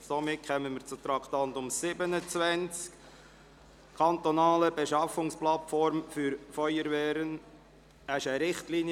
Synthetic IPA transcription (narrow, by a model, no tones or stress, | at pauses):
somɪt̚kʰχœmənmɪɾt͡sʊt̪ɾɑkʰt̪ɑnt̪ʊmsɪbənət͡svænt͡sk | kʰɑnt̪ɔnɑːləbeʃɑfʊŋsplɑtfɔɾmfyɾfɔʏəɾvɛːɾən | əɪʃəɾɪχtlin